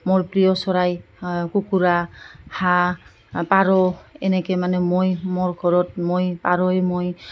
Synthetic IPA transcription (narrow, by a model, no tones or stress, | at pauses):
moɹpɹijɔsɔɹaj | kukuɹaha | paɹɔḛnɛkɛmanɛmojmoɹɡʱɔɹɔt̚mojpaɹɔemoj